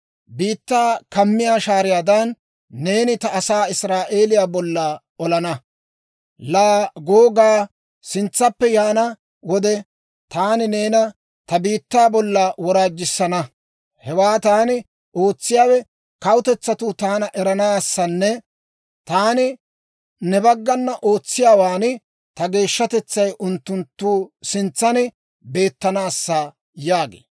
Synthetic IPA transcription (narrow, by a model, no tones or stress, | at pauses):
biːt̪ːaːkɐmːɪjaːʃaːɾɪjaːd̪ɐnː | e̞ːnɪt̪ɐːsaːɪsɾaːʔe̞ːlɪjaːbɔlːa | ɔlɐnɐ | laːɡoːɡaː | sɪnt͡sːɐpːɛjaːnɐ | wɔd̪ɛ | t̪aːnɪne̞ːnɐ | t̪ɐbiːt̪ːaːbɔlːɐwɔɾaːd͡ʒːɪsːɐnɐ | hɛwaːt̪aːnɪ | o̞ːt͡sːɪjaːwɛ | kɐwʊt̪ɛt͡sːɐt̪ʊt̪aːnɐʔɛɾɐnaːsːɐnːɛ | t̪aːnɪ | nɛbɐɡːɐnːɐʔoːt͡sːɪjaːwaːnɪ | t̪ɐɡe̞ːʃːɐt̪ɛt͡sːɐjʔʊnt̪ːʊnt̪ːuːsɪnt͡sːɐnɪ | be̞ːt̪ːɐnaːsːaː | jaːɡḛː